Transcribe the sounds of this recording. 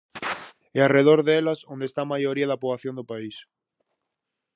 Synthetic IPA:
eareðoɾðelasond̪est̪amajoɾiaðapoβlaθjond̪opais

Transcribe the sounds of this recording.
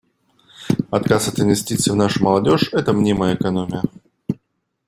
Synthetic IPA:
ɐt̪kasɐt̪ɨnvʲɪsʲtʲit̪sɨvnaʂʊməlˠɐdʲoʂɛt̪əmnʲiməjəɪkɐnomʲɪjə

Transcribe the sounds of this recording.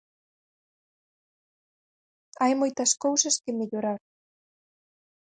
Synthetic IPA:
ɑjmojt̪ɑʃkowʃə̆ʃkemeʎoɾɑɾ

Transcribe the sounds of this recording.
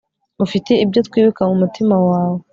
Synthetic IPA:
ufiteibjotkwiːβukaŋumutimawaːwo

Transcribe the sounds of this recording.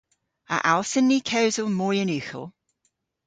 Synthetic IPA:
ə̰ʔalˠsənːikʰəwzəlˠmɔːɹjənʉːˑxə̰lˠ

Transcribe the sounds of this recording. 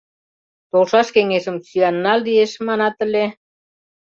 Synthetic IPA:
t̪olʃɑʃkeŋeʃə̆msyɑnːɑld̪ieʃmɑnɑt̪ə̆le

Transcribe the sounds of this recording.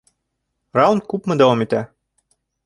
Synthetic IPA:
rɑunt̪̚kupmɤ̆d̪ɑomit̪æ

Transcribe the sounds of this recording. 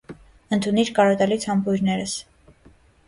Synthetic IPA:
ənt̪ʰuniɾkɑɾɔt̪ɛlit͡sʰhɑmpujɾnɛɾəs

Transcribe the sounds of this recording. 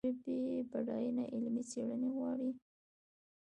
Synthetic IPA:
ebebaɽɑjunaʔɪlmit͡seɽəneɣwɑɽi

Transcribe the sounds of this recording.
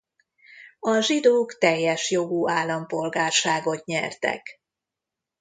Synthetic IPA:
ɒʒid̪oːkt̪ɛjːɛʃjo̞ɡuaːlːɒmpo̞lɡaːrʃaːɡo̞t̪ɲɛ̰rt̪ɛ̰k

